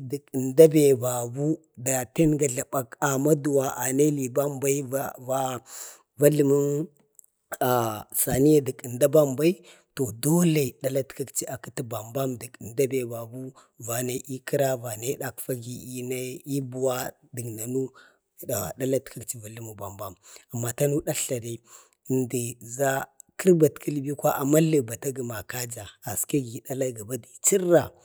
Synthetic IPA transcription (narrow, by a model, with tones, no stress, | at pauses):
di˨ki˨nda˦be˨ba˨bu˦ | da˨te˦nɡa˨ɮa˨ɓa˨ka˨ma˦du˨wa˨ʔa˨ne˦li˨ba˦mba˦i˦va˦ | va˦ɮə˨mu˦n | a˨sa˨ni˦ja˦di˨kə˨nda˦ba˦mba˦i˦ | to˨do˦le˨i˨ɗa˦la˦tka˦kt͡ʃi˦a˨ki˦ti˦ba˨mba˦mdi˨kə˨nda˦be˨ba˨bu˦ | va˨na˨˦ʔi˦ki˦ɾa˦va˨na˦ɗa˨kfa˦ɡi˨i˦na˦i˦bu˨wa˦ | də˨ɡna˨nu˦˨ | a˨a̰˨ɗa˦la˦tka˦kt͡ʃi˦va˨li˦mu˨ba˨mba˦ma˨mːa˨ta˦nu˦ɗa˦ɬa˨ɾi˦˨ | ndi˨za˦kʰi˦ɾba˨tkʰə˦lbi˦kʷa˦ʔa˨ma˦lə˨ba˨ta˦ɡi˨ma˨ka˦d͡ʒa˨a˨ska˦ɡi˨ɗa˦la˦ɡa˨ba˦di˨t͡ʃi˦ɾːa˨